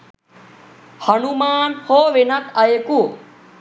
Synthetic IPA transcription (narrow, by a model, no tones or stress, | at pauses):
hɐnumaːnhoːʋenɐk̪ʰaekuː